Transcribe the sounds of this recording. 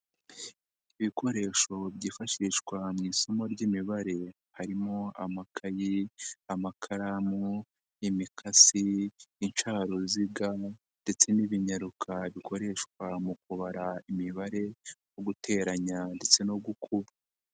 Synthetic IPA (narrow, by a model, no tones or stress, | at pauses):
iβikʰo̞ɾe̞ʃo̞βɟiːfaʃiʃkwamŋiːsomoɾɟimiβaɾe̞ | haɾimoa̰makʰajiamakʰaɾamo | imikʰasiːnt͡ʃaːɾoziɡa | nde̞t͡se̞niβiɲaɾukʰaβiko̞ɾe̞ʃkwamukuβaɾaimiβaɾe̞joɡutʰe̞ːɾaɲande̞t͡se̞noɡukʰuɾa